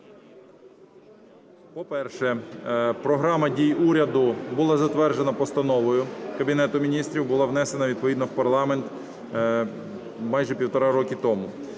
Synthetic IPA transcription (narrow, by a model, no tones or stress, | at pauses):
pɔpɛrʃɛpɾɔɦɾɑmɐdʲijuɾʲɐd̪ʊbʊlˠɑzɐt̪ʋɛrʒenɐpɔst̪ɐnɔʋɔjʊkɐbʲinɛt̪ʊmʲinʲist̪ɾʲiwbʊlˠɑʋnɛse̞nɐʋʲid̪pɔʋʲid̪nɔwpɐrlˠɑment̪ | mɑjʒɛpʲiwt̪ɐɾɑɾɔkʲit̪ɔmʊ